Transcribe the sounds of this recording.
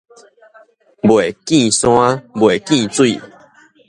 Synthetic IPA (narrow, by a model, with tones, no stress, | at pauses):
bwe˨˩kĩ˥˨sw̃ã˦bwe˨˩kĩ˥˧t͡swi˥˨